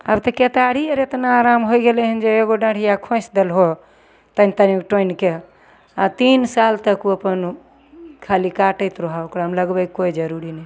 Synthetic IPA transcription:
əbt̪əket̪aɽ̤ieɾet̪naːɾamɦojɡelɛɦənd͡ʒeeɡoɖãɽ̤ijakʰõsd̪elɦo | t̪ənt̪ənikʈonke | at̪insalt̪əkuəpən | kʰalikaʈəjt̪ɾoɦaokɾamləɡbɛkkojd͡ʒəɾuɾinɛj

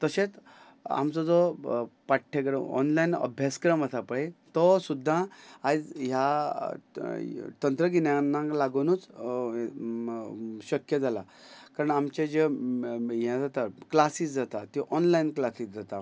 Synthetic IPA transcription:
t̪əɕẽt͡s | a̰mt͡sɔd͡zɔpaʈʰːekɾəɔ̰nlainə̰bʱjaskɾəməsapəɽet̪ɔsud̪ʱːãad͡zɦja | t̪ənt̪ɾəɡinjanːãlaɡonuːt͡s | ɕəkjəd͡zʱala̰ | kaɾəɳamt͡ɕad͡ʑe | jɛ̃d͡zat̪aklasiːsd͡zat̪at̪iʔɔnlainklasiːsd͡zat̪a

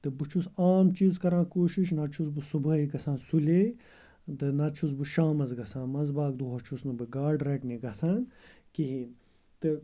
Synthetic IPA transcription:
t̪ɨbut͡ʃʰusaːmt͡ʃiːzkɐɾãːkoːʃiʃnɐt͡ʃʰus̬bɨsubɐiɡɐsãːnsuleː | d̪ɨnɐt͡ʃʰus̬bɨʃãːmɐzɡɐsãːnmɐzbaːk̚d̪uɦɐt͡ʃʰusnɨbɨɡaːɖɾekniɡɐsaːn | kiɦin | t̪ɨ

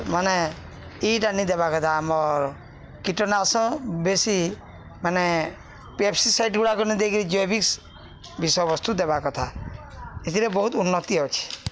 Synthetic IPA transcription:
mane | iʈanid̪ebakɔt̪ʰaːmɔɾ | kiʈɔnasɔ̃besi | mane | pepsisajʈɡuɽakɔnid̪eɡiɾid͡ʒɔjbiks | bisɔjbɔst̪ʰud̪ebakɔt̪ʰa | et̪ʰiɾebɔɦut̪unːɔt̪iɦɔwt͡ʃʰi̥

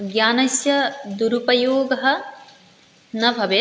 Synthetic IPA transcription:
ɡjaːnɐsjɐd̪uɾupɐjoːɡɐɦɐ̆ | nɐbʱɐʋe

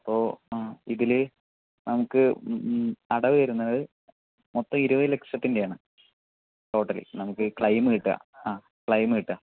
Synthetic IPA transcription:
ɐpːo̞ːiðil | nɐmukːɨ | ɐɽɐʋɨʋɐɾunːɐðɨ | mot̪ːɐmiɾuʋɐðɨle̞kʂɐt̪ːinde̞jaːɳɨ | ʈo̞ːʈːɐlḭnɐmukːɨkɭɐjmɨiʈːɨɐ̰aː | kɭɐjmɨiʈːɨɐ

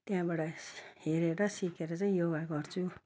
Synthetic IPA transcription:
t̪jãbaɽʌheɾeɾʌsikʰeɾʌt͡sʌĩjoɡaɡʌrt͡sʰu

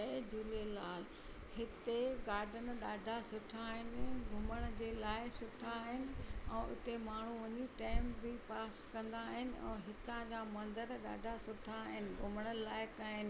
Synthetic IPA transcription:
ed͡ʑʊlelaːl | hɪt̪eɡaːɾɖənɗaːɖʱasʊʈʰaɦɪnɪɡʱʊməɽ̃d͡ʑeːlaːɪsʊʈʰaːɦɪnɪ̆ɛ̃ːʔʊ̰t̪emaːɳ̤uʋɐɲiʈãːɪmbɪpaːskɐ̃nd̪aːɦɪnɪ̆ɛ̰̃ːɦɪt̪ãd͡ʑamɐ̃nd̪əɾɗa̰ːɖʱasʊʈʰaɦɪnɪ̆ɡʱʊməɽ̃əlaːɪkaːɦɪnɪ

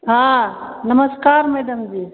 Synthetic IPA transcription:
ɦãnɐməskaːɾmeːd̪əmd͡ʒiː

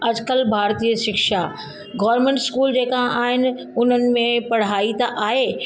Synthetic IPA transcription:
ɐd͡ʑkəlbʱaːɾt̪iːəʃɪkʃa | ɡɔːɾmẽːɳʈskuːld͡ʑeːkaaːɦɪnɪ̆ | ʊn̤ənɪ̆mẽpɐɽ̤aːit̪aʔaːɦeː

